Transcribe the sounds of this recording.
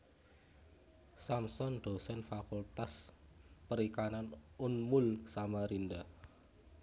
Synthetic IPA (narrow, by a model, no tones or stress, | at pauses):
samsɔnɖ̪̥o̤sɛnfakult̪aspəɾikananʊnmʊlsamaɾind̪a